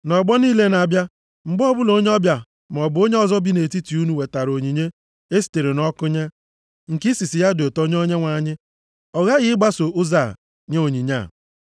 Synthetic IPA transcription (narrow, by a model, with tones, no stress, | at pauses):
nɔ˨ɡ͡bɔ˦niː˦le˦na˨bja˦ | ŋ͡m̩˨ɡ͡bɔ˦bʊ˦lo˦ɲe˦ɔ˦bja˨ | m˨ɔ˨bʊ˨o˦ɲe˦ɔ˨zɔ˦bi˦ne˨ti˦ti˨u˦nu˨we˨ta˨ɾo˨ɲi˨ɲe˦ | e˦si̥˨te˨ɾe˨nɔ˦kʊ˦ɲe˦ | ŋ̩˨ki˦si˨si˨ja˦do˨to˦ɲ˦o˦ɲe˦ŋʷa˨ɲɪ˦ | ɔ˨ɣa˦ɣɪ˦ɡ͡ba˦so˨ʔʊ˦za˨ | ɲe˦o˨ɲi˨ɲa̰˦˨